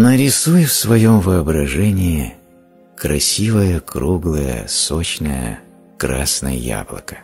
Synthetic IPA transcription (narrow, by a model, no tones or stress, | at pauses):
nəɾʲɪsujfsvɐjomvɨɐbɾɐʐɛnʲɪɪ | kɾɐsʲivəjəkɾuɡlˠəjə̰sot͡ɕnəjə̰ | kɾa̰snə̰jə̰ja̰blˠə̰kə̥